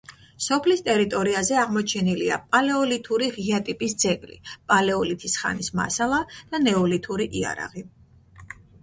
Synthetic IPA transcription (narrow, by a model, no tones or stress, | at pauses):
sɔpʰlist̪ʼɛɾit̪ʼɔɾiazɛaʁmɔt͡ʃʰɛnilia̰pʼalɛɔlit̪ʰuɾiʁiat̪ʼipʼisd̪zɛɡlḭpʼalɛɔlit̪ʰisχa̰nisma̰salˠad̪̥anɛɔlit̪ʰuɾiʔia̰ɾa̰ʁi